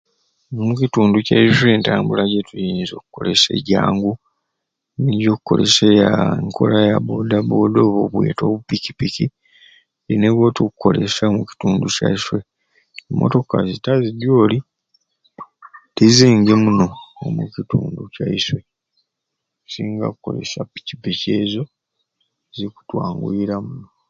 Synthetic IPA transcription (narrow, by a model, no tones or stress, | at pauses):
omucituːnducaiswe̞ːntaːmbulaɟetujiːnzo̞ːk̚u̥ko̞̰le̞se̞̰ɟaːŋɡu | niɟo̞kukːo̞̰lesejaŋkʰo̞̰lajaboːdaboːdoːβoβuḛtoːβupiki̥piki | eneβwo̞tukko̞lḛsamuci̥tuːnduca̰iswe | emʔo̰to̞ka̰zitazidjoːli | teziːŋɡemuno̞ːmukituːnducaiswe̞ | siːŋɡa̰kuko̞̰ze̞̰sapi̥cibece̞zo̞ | ziku̥twaːŋɡṵiɾamuno̞